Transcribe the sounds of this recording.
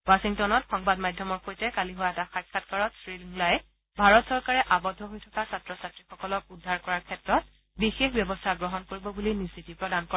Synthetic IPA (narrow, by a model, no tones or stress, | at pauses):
wasiŋtɔnɔtxɔŋbadmajdʱjɔmɔɹxojtɛkaliɦowataxat̚kʰatkaɹɔtsɹiliŋlajɛ | bʱaɹɔtsɔɹkaɹɛʔabɔdʱːɔɦojtʰɔkasatɹɔsatɹixɔkɔlɔk̚udʱːaɹkɔɹaɹkʰɛtɹɔt̚ | bixexbjɔbɔstʰaɡɹɔɦɔnkoɹibɔbulinisitipɹɔdankɔ